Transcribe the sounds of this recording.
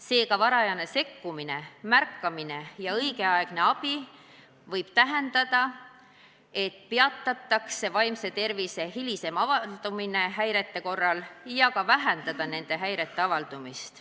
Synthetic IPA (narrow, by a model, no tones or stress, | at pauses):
se̞ːkɑvɑɾɑjɑne̞se̞kːumine̞mærkːɑmine̞jɑɤjɡ̥e̞ɑeɡ̥ne̞ɑb̥i | vɤjb̥t̪æɦend̪ɑd̪̥ɑ | e̞t̪ːˑpeɑt̪ːˑɑt̪ːˑɑkse̞vɑjmse̞t̪e̞rvise̞ɦilise̞mɑvɑld̪̥umine̞ɦæjɾe̞t̪ːe̞ko̞rːɑljɑkɑvæɦend̪ɑd̪̥ɑne̞nd̪̥e̞ɦæjɾe̞t̪ːe̞ɑvɑld̪̥umist̪